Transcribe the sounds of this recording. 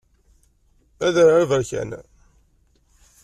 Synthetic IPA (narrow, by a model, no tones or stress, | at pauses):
æðəɾavəɾçæ̰n